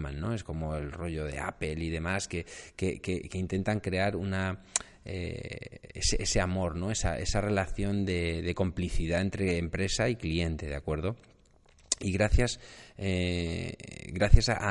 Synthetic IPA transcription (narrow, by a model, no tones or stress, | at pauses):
mã̰nːo̞e̞sko̞mo̞elro̞ʝo̞ðe̞̰a̰pe̞liðe̞maske̞ke̞kekeint̪e̞nt̪aŋkɾe̞aɾuna | ḛ | ḛseʔese̞amo̞ɾno̞e̞sa̰ʔe̞̰sare̞laθjo̞nd̪e̞ðe̞ko̞mpliθiðae̞nt̪ɾeːmpɾe̞saiklie̞nt̪e̞ð̞eakwe̞ɾð̞o̞ | iɣɾaθjase | ɣɾaθjasa